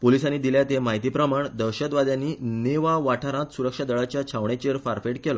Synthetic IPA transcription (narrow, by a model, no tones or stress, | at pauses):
polisãnːiːd̪iljat̪emaɦit̪ipɾəmaɳd̪əɾɕət̪ʋad̪jãnːineʋaʋaʈʰaɾãt̪suɾəkʂad̪əɭat͡ɕjat͡ɕʰaʋɳet͡ɕeɾfaɾfeʈkelɔ